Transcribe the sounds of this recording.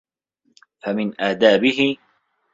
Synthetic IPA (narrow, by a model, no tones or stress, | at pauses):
famɪnʔaːd̪aːbɪhɪ